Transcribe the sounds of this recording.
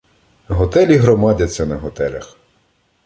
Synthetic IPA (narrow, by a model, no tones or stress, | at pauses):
ɦɔt̪ɛlʲiɦɾɔmɑdʲɐt̪t͡sʲsʲɐnɐɦɔt̪ɛlʲɐx